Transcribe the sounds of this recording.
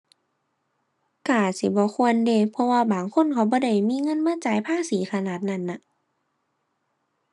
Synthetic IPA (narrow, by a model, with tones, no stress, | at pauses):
kaː˧˩si˨˦bɔː˧˦kʰu˧˨ənde˧˩˨pʰɔ˧waː˧baː˨˩ŋkʰo˧˥˨nkʰa˧˩wbɔː˧˦da˧˥˩jmiː˧˥˨ŋɤ˧˥˨nmaː˧˥˨t͡ɕa˨˦jpʰaː˧˥˨siː˨˦xʰa˧naː˧˨˩t̪̚na˧˥˨nːa˧˦